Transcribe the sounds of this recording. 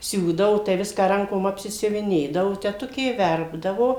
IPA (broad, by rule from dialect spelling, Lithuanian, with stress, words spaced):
ˈsʲuːdɐʋoː tɐɪ ˈʋʲɪskɑː ˈrɐŋkoːm ɐpʲsʲɪsʲʊʋʲɪˈnʲeːdɐʋoː tʲɛˈtʊkʲeː ˈʋʲɛrbdɐʋoː